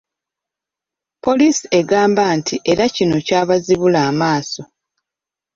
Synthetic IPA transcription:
po̞liːsie̞ɡaːmbantʰiʔe̞ɾacino̞caːβaziβulaːmaːso̞

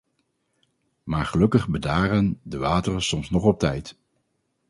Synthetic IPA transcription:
maːɹχəlɵkəχbədaːɾəndəʋaːtərəsɔmsnɔχɔp̚tɛjt

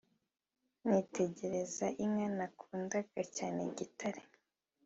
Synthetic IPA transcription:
nite̞ɟe̞ɾezaʔimŋanakʰuːndaɡacaːneɟitaɾe

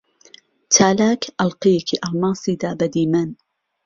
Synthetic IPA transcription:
t͡ʃʰaːlaːkʰʔɐlqijekʰiʔɐlmɑːsiːd̪aːbɐd̪iːmɐn

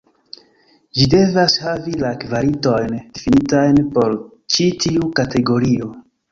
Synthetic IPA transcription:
d͡ʒide̞vashavilakvaɾito̞jndifinitajnpo̞ɾ | t͡ʃitʰiukatʰe̞ɡo̞ɾio̞

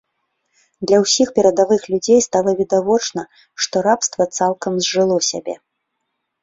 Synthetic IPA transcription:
d̪lʲɐwsʲixpʲɛɾɐd̪avɨxlʲud͡zʲejst̪alˠɐvʲid̪avɔt͡ʂnɐ | ʂt̪ɔɾapst̪vɐt̪salˠkɐmzʲʐɨlˠɔsʲa̰bʲɛ̰

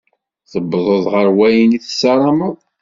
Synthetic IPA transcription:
θəbːðˤoðˤʁəɾwæjəniθəsːɑɾˤɑməðˤ

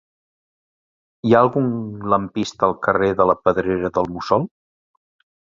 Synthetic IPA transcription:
iaəlˠɣuŋləmpist̪əlˠkəreðələpəðɾeɾəðəlˠmusɔlˠ

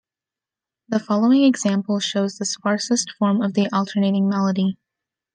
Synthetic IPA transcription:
ðəfɑlˠoʊɪ̃ŋɨɡz̥æ̃mpl̩ˠʃoʊzðɨspɑɹsɨstfɔɹmʌvðiʔɔlˠtʰə˞neɪɾɪ̃ŋmɛlˠəɾi

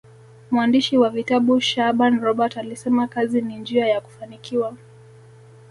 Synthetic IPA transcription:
muandiʃiwavitaɓuʃaɓanɾɔɓatalisɛmakazinind͡ʒiajaku̥fanikiwa

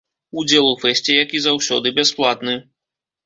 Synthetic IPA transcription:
ud͡zʲɛlˠufɛsʲt͡sʲijakʲizawsʲɔd̪ɨbʲɛsplˠat̪nɨ

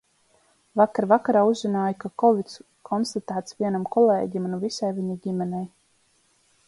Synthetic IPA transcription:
vakaɾvakaɾaːuzzinaːjkakɔvit̪s | kʰɔnst̪at̪æːt̪sviɛnamkɔlˠḛːɟimnuvisajviɲiɟimɛnɛj

